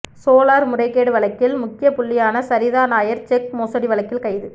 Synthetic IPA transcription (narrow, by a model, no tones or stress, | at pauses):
soːlaːɾmʊrɐɪkːeːɽɯʋɐɭɐkːɪlmʊkːɪjɐpʊɭːɪjaːnɐsɐɾɪðaːnaːjɐɾt͡ʃɛkmoːsɐɽiʋɐlɐkːɪlkɐɪðɯ